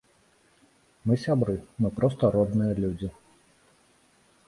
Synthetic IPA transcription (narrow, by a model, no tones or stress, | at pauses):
mɨsʲabɾɨmɨpɾɔst̪ɐɾɔd̪nɨjɐlʲud͡zʲi